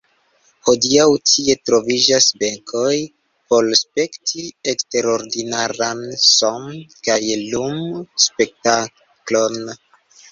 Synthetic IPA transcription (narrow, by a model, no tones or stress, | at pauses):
ho̞diawtʰie̞tɾo̞vid͡ʒasbe̞ŋkʰo̞j | po̞lspe̞ktʰiekste̞ɾo̞ɾdinaɾansomkajlumspe̞k̚ta | klo̞n